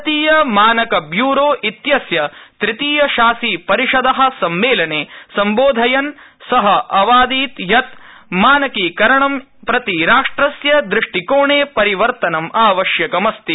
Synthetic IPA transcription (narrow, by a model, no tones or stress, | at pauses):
t̪iːjɐmaːnɐkɐbjuːɾoːʔit̪jɐsjɐt̪ɾit̪iːjɐʃaːsiːpɐɾiʂɐd̪ɐɦɐ̆sɐmʋeːlɐneːsɐmboːd̪ʱɐjɐn | sɐɦɐʔɐʋaːd̪iːt̪jɐt̪ | maːnɐkiːkɐɾɐɳɐm | pɾɐt̪iɾaːʂʈɾɐsjɐd̪ɾɪʂʈikoːɳeːpɐɾiʋɐɾt̪ɐnɐmaːʋɐʃjɐkɐmɐst̪i